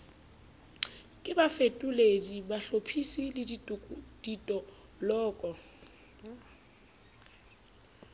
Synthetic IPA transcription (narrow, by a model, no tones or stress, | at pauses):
kʼɪbafetʼuledibaɬopʰisilɪdʼd̥itʼɔ | lɔːkʼɔ